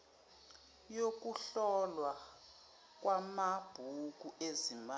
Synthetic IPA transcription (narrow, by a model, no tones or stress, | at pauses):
jok̬uɬɔlwa | k̬ʼwamab̥ʱuk̬ʼuezima